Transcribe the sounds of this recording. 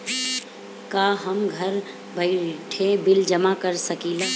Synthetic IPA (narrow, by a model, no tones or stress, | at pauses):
kaɦəmɡʱəɾ | bʱəɪʈʰebɪld͡ʒəmakəɾsəkila